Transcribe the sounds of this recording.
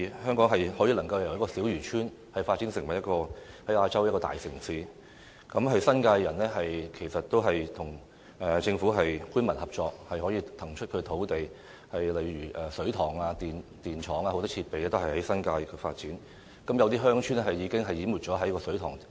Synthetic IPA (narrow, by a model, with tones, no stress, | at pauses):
hœː˥ŋkɔː˨˥ŋɦɐ˨jhɔː˨˥jiː˧lɐ˨˩ŋkɐ˧wjwjɐ˥kɔ˧siː˨˥wjyː˨˩t͡ʃʰyː˥n | hɐ˨jfaː˧t̚t͡si˨˥nsɪ˨˩ŋwɐ˨˩jɐ˥kɔː˧ | hɐ˨˥jaː˧t͡sɐ˥wjɐ˥tkɔː˧t̪a̰ː˨jsɪ˨˩ŋsiː˨˥ | kɐ˨˥mɦɐ˨jsɐ˥nkaː˧jːɐ˨˩nlɛː˥ɦɐ˨jkʰe˨˩jsɐ˨t̚t̪o˥wɦɐ˨jt̪ʰʊ˨˩ŋ | ʔɛː˨t͡sɪ˧ŋfu˨˥ɦɐ˨jkuː˥nmɐ˨˩nhɐ˨p̚t͡ʃɔː˧khɐ˨jhɔ˨˥jiː˧t̪ʰɐ˨˩ŋt͡ʃʰɵ˥t̚kʰɵ˧ɥt̪ʰo˨˥wt̪e˨j | hɐ˨jlɐ˨jɥyː˨˩ʔɛː˨sɵ˨˥t̪ʰɔː˨˩ŋaː˧t̪iː˨nt̪iː˨nt͡ʃʰɔː˨˥ŋaː˧o˨˥wt̪ɔː˥t͡sʰiː˧t̚pe˨jɛː˧t̪o˥whɐ˨jhɐ˨˥jsɐ˥nkaː˧jkɛ˧fa̰ː˧t̚t͡siː˨˥n | kɐ˨˦mjɐ˨˧wt̪̬iː˥ɦœː˥ŋt͡ʃʰyː˥nɛ˥ɦɐ˨jji˨˧˥kɪ˥ŋɦɐ˨jːiː˨˥mu˨t̚t͡ʃɔː˨˥ɦɐ˨˥jkɔː˧sɵ˨˥ɥt̪ʰɔː˨˩ŋ